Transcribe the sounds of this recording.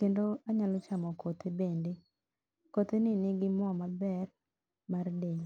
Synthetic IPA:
kendoaɲalɔt͡ʃamɔkot̪ebende | kot̪enɪnɪɡɪmɔmabɛr | mardeŋ

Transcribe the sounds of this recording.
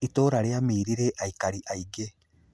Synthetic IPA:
itoɾaɾeamiːɾiɾeʔaikaɾiʔaiɡe

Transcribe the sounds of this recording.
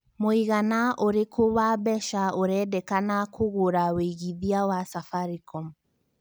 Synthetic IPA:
moiɣanaʔoɾekʰowabɛʃaoɾɛdɛkanakʰoɣoɾaweɣiðiawasafaɾikɔm

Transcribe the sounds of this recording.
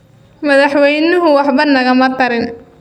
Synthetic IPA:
mɐðɑħwɛjnʊɦʊwɑħbɐnɐɣɐmɐt̪ʰɐɾɪn

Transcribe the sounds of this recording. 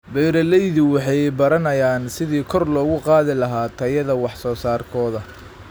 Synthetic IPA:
bɛjɾɐlɛjðʊwɑħɑjbɐɾɐnɐjaːnsɪðiːkʰɔrlɔːɣʊqɑːðɪlɐɦaːt̪ʰɐjɐðɐwɑħsɔːsaːrkʰɔːðɐ

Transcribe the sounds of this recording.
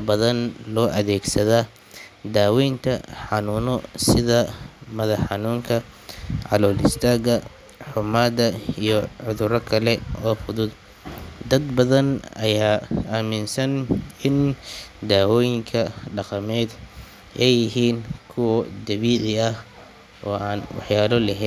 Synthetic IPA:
bɐðɐnlɔːʔɐðɛːɡsɐðaː | d̪aːwɛjnt̪ʰɐħɑnunɔsɪðɐmɐðɐħħɑnuːŋkʰɐ | ʕɑ̰lɔːlɪ̰st̪ʰaːɣɐ | ħʊmaːd̪ɐijɔʕʊðʊɾɐkʰɐlɛɔːfʊðʊd̪ | d̪ɐd̪bɐðɐnɐjaːamɪnsɐnɪnd̪aːwɔːjɪŋkʰɐɖɑqɑmɛːd̪ | ʔɛjɪɦiːnkʰʊwɐd̪ɐβiːʕɪɐh | ɔːʔaːnwɑ̰ħjaːlɔlɐɦɛːn

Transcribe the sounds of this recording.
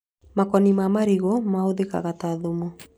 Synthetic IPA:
makɔnimamaɾiɣɔmahoðeka̰ɣataðomɔ

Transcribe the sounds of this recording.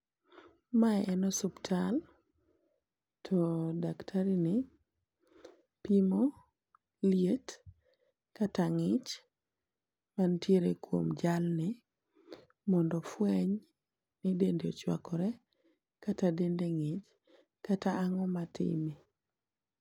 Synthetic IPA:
maɛʔɛnɔsuptʰal | tʰɔdaktʰaɾinɪ | pimo | ljet | kataŋɪt͡ʃ | mantjeɾekwo̰md͡ʒalnɪ | mɔndɔfwɛɲ | nɪdendeot͡ʃwa̰kɔɾɛ | katadendeŋɪt͡ʃ | kataːŋɔmatʰɪ̰mi

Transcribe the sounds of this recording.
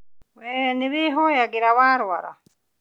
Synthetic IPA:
weniβiɦoːjaɡiɾawaːɾwa̰ɾa̰

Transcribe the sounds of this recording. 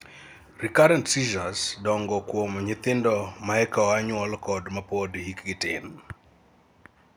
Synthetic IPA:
rikaɾɛntsid͡ʒasdɔŋɡɔkwomɔɲɪt̪ɪndɔmaɛkaaɲwɔlkɔdmapodhikɡɪtɪ̰n

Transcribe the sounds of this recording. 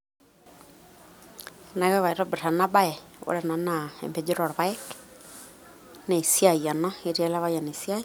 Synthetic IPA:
naɣɛβaiɾɔbeɾanabaɛo̰ɾɛnanaɛ̰mbɛd͡ʒeɾɔɾβaɛk | nesiajanaeɾialaβajanesiai

